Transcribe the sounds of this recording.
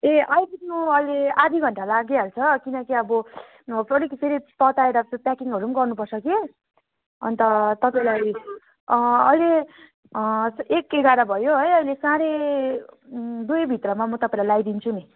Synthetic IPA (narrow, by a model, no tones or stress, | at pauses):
eʔʌjbinuʌjlead̪ʱiɡʱʌɳʈalaɡealt͡sʰʌkinʌkiʌbʌ | pʌɽikiseɾipʌt̪aeɾʌpjakiŋʌɾunɡʌrnupʌrt͡sʰʌke | ʌ̰nt̪ʌt̪ʌpaĩlaj | ʌjle | sekeɡaɾabʱʌjoɦʌjʌjlesãɾe | d̪ujbʱit̪rʌmamʌt̪ʌpaĩlajlajd̪int͡sʰuni